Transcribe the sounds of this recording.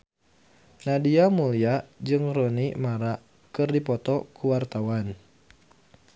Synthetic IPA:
nadiamuliad͡ʒɨŋrɔnimaɾa | kɨrdipɔt̪ɔkuwart̪awan

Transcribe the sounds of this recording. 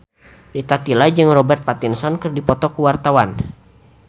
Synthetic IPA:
rit̪at̪ilad͡ʒɨŋrɔbɛrt̪̚pat̪insɔnkɨrdipɔt̪ɔkuwart̪awan

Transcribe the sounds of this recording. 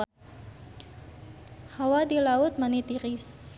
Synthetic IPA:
hawadilaʊt̪̚manit̪iɾɪs

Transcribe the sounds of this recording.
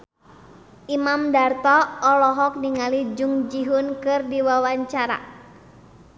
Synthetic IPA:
ʔimamdart̪ɔːlɔɦɔk̚niŋalid͡ʒuŋd͡ʒiɦʊnkɨrdiwawaɲt͡ʃaɾa̰

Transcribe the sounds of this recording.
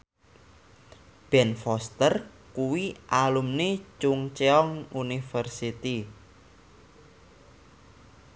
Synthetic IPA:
b̥ɛ̤nfɔst̪ər | kuwiʔalumnet͡ʃʊŋt͡ʃeɔŋunifərsit̪i

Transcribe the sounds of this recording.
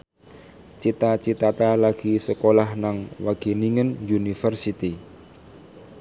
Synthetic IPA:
t͡ʃit̪at͡ʃit̪at̪alaɡ̥isəkolahnaŋwaɡ̥e̤niŋənjunifərsit̪i

